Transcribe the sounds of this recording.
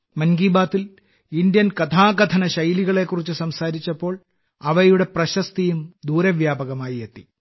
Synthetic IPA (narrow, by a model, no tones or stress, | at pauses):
mɐnɡiːbaːt̪ːil | ind̪jɐnkɐt̪ʰaːɡɐt̪ʰɐnɐɕɐjliɣɐɭe̞kːurit͡ɕːusɐmsaːɾit͡ɕːɐpːo̞ːɭ | ɐʋɐjuɽe̞prɐɕɐst̪ijumd̪uːɾɐʋjaːbɐɣɐmaːjiet̪ːi